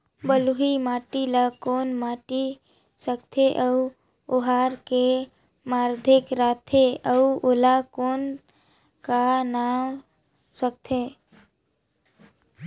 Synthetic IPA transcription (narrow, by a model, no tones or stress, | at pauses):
bəluɦimaːʈilakoːnmaːʈi | səkt̪ʰeʔəu | oɦaɾke | maːɾd̪ʱɪkɾaːt̪ʰeəuolakoːn | kanaːm | sək̚t̪ʰe